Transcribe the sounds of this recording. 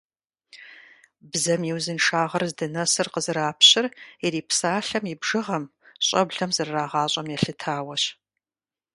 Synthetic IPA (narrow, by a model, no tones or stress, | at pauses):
bzɐmjiwzɨnʂaːʁɐrzdɨnɐsɨrqəzɨɾaːpʰɕɪrɛɾiːpsaːɬɐmibʐɨʁɐm | ɕʼɐbɮɐmzɨrːaːʁɑːɕʼɐmjɛɬɨtʰaːwɐɕ